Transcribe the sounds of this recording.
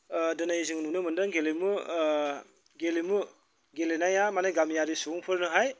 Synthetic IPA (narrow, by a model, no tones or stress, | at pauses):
dɯnajiziŋnunɯmɯndaŋɡelemu | ɡelimu | ɡelenajamanajɡamijaɾisuŋpʰɯɾnɯɦaj